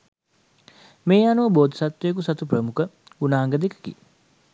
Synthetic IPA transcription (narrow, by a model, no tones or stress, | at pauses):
meːanuʋəboːd̪ə̥sat̪ʋejek̬usat̪uprəmukə | unaːŋɡəd̪ekə̥kḭ